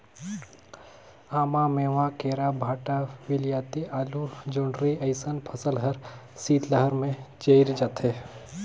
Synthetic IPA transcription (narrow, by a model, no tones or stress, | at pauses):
aːmameːʋakeːɾabʱaːʈaʋɪlijaːt̪iʔaːlud͡ʒoːɳɖɾiɐɪsənpʰɐsəlɦɐɾ | siːt̪lɐɦəɾmẽt͡ʃeɪɾd͡ʒaːt̪ɦe